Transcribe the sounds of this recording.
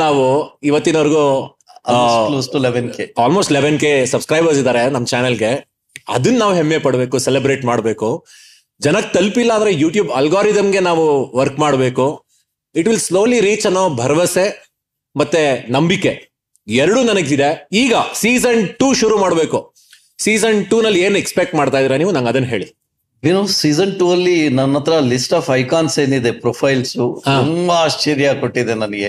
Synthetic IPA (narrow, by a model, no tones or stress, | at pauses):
naːʋuiʋɐt̪ːinɐʋɐɾɡu | sosleʋenkeaːlmoːsʈleʋenkeːsɐbskɾajbɐɾs̬id̪aːɾenɐmːɐt͡ʃaːnɐlɡe̞ | ɐ̰d̪ɐnːnaːʋuɦemːjepɐɽbe̞ːkusɛlebɾeːʈmaːɽbe̞ːku | d͡ʒɐnɐk̚t̪ɐlpilːɐːnd̪ɾejuːʈjuːbɐlɡaːɾid̪ɐmɡe̞naːʋuʋɐɾkmaːɽbe̞ːku | iʈʋilsloːliɾiːt͡ʃɐnoːbʱɐɾɐʋɐse | mɐt̪ːenɐmbikːe̞̰ | ɛɾɐɽuːnɐnɐɡid̪e̞iːɡɐsiːsɐɳʈuːʃuɾuːmaːɽbe̞ːku | siːsɐɳʈuːnɐlːie̞ːnekspek̚ʈmaːɖt̪aːjd̪iːɾɐniːʋunɐŋɡɐd̪ɐnːɦe̞ːɭi | ʋinoːsiːzɐɳʈuːɐlːinɐnːɐt̪ɐɾɐlisʈaːfɐjkaːnseːnid̪epɾopʰɐjlsut̪auːmbɐaːʃt͡ʃeːɾijakoʈːid̪enɐnɐɡe